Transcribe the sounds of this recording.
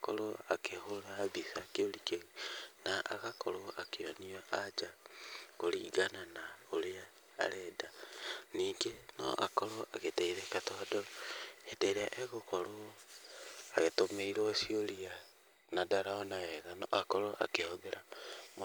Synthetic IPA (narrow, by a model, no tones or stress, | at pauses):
ko̰ɾoakehoɾaːβisakeolikeɣinaʔa̰ɣakʰoloakeoniaad͡ʒakoliːɡananaolea̰ː | ɾɛdaniːŋɡeno̰ʔa̰koɾoaɣeteiɾekatoadoeteɾeaʔeɣokolo | aɣetomeiɾosiolia | nadaɾaonaeɣanakoɾoʔa̰kehoɡeɾʔamo